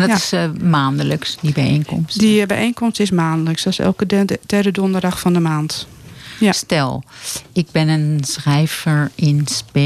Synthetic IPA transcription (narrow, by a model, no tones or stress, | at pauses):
ndɔɪsmaːndələksdibɛjenkɔ̰msdibɛ̰jʔejnkɔmstɪsmaːndələksɔsɛ̰lˠkədɛdədɔndədaxfɔndəmaːnt | jstɛ̰lˠɪɡ̚bɪnənsrɛjvəɹɪnspe